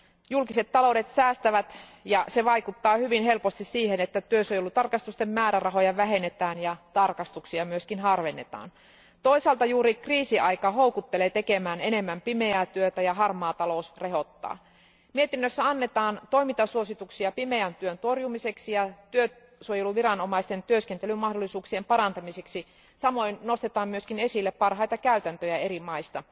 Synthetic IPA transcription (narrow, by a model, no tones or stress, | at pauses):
julkise̞t̪ːɑlo̞udet̪sæːst̪æʋæt̪jɑse̞ʋɑijkut̪ːɑːhyʋinɦe̞lpost̪issiːhenet̪ːæt̪yøsojolːut̪ɑrkɑst̪ust̪emmæːɾærɑɦo̞jɑʋæɦe̞net̪æːnjɑt̪ɑrkɑst̪uksiɑmyøskinɦɑrʋenːḛt̪ɑ̰ːn | t̪o̞isɑlt̪ɑjuːɾikriːsiʔɑjkɑɦo̞ukut̪ːeleːt̪ekemæːnene̞mːæmpime̞æːt̪yøt̪æjɑɦɑrmɑːt̪ɑlousreɦo̞t̪ːɑ̰ː | mie̞t̪inːøsːæɑnːet̪ɑːnt̪o̞jmint̪ɑsuosit̪uksiɑpime̞ænt̪yønt̪o̞rjumise̞ksijɑt̪yø | suojeluʋirɑnomɑist̪ent̪yøskent̪elymmɑhdolːˑisuːksiempɑɾɑnt̪ɑmiseksi | sɑmo̞jnno̞st̪et̪ɑːmmyøskine̞silːeppɑrɦɑjt̪ɑkæyt̪ænt̪øjæe̞ɾimɑist̪ɑ